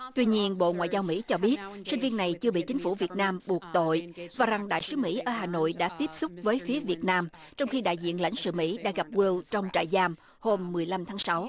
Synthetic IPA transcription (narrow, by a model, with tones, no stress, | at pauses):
t̪wi˧ɲi˧ənɓo̰˧˨ŋwa̰˧˨jzaː˧wmḭ˧˥t͡ɕɔ˧ɓi˦˥ət̚sï˧ŋ̟vi˧ənːa˨˩jt͡ɕɨ˧əɓḭ˧˨t͡ɕi˨˦ŋ̟fu˧˩vi˨˩ət̚naː˧mɓu˨˩ək̚t̪o̰˧˨jvaː˨˩za˨˩ŋɗa̰ː˧˨jsɨ˨˦mḭ˧˥ʔəː˧ɦaː˨˩no̰˧˨jɗa̰ː˧˥t̪i˦˥əp̚sʊ˦˥k͡p̚vəː˨˦jfi˨˦əvi˨˩ət̚naː˧m | t͡ɕɔ˧wŋ͡mxi˧ɗa̰ː˧˨jzḭ˧˨ənla̰˧˥jŋsɨ̰˧˨mḭ˧˥ɗa̰ː˧˥ɣa˨˩p̚wi˧wt͡ɕɔ˧wŋ͡mt͡ɕa̰ː˧˨jzaː˧m | ho˧mːɨ˨˩əjla˧mt̪ʰaː˨˦ŋsa˨˦w